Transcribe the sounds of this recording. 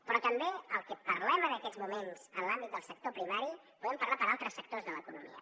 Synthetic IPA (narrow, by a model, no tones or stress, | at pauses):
pɾɔt̪əmbeəlˠkəpəɾlɛmənəkɛd͡zmumenz̥ənlambit̪̚d̪əlˠsək̚t̪opɾimaɾi | puðɛmpəɾlapəɾalˠt̪ɾəsək̚t̪ozðələkunumḭə̰